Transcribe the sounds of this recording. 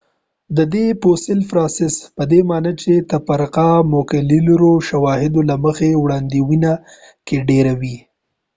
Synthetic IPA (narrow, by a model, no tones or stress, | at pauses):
d̪əd̪eposɪlfɾɑnsɪspəd̪emɑnət͡ʃet̪apaɾqamokalilɾoʃawɑhɪd̪olaməxewɽɑnd̪iwina | keɖeɾawi